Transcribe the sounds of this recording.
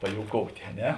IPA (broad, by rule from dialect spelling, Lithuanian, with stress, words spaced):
pɐjoːʊˈkoːʊtʲeː ɐ ˈnʲɛ